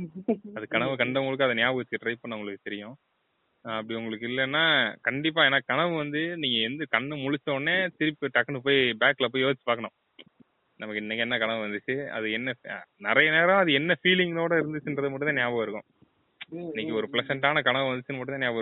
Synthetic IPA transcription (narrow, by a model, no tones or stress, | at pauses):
ɐðɯkɐɳɐʋɯkɐɳɖɐʋŋɡɐɭɯkːɯɐðɐnjaːbɯʋɐt͡ʃːɯkːɪʈːɾɐɪpːoːnɐʊŋɡɐɭɯkːɯt̪ɛɾɪjʊ̃ | ɐpːɐɽiʊŋɡɐɭɯkːɪlːɐnːaːkɐɳɖɪp̬ːaːeːnːaːkɐɳɐʋɯʋɐnd̪ɯniːŋɡɐɛnd̪ɯkɐɳːɯmʊɻɪt͡ʃːɐ̃nːeːt̪ɪɾɪpːɯʈɐkːɐnɯp̬oːjibaːkːlɐp̬ːoːjoːt͡ʃːɯ̥paːɾkːɐɳʊ̃ | nɐmɐkːɪnːɐkːɛnːɐkɐɳɐʋʋɐnd̪ɯt͡ʃːɯɐ̰ðɯɛnːɐnɪɾɐjɐneːɾɐ̃ɐðɯɛnːɐfiːlɪŋɡnoːɽɐɪɾɯnd̪ɯt͡ʃːɯndɾɐðɯmɐʈːɯ̃t̪ẽːnjaːʋɐʋɪɾɯkːʊ̰̃ | ɪnːɛkːɯɔɾɯplɐsɛɳʈaːnɐkɐɳɐʋɯʋɐnd̪ɯt͡ʃːɯnːɯmɐʈːɯt̪eːnjaːʋɐɾ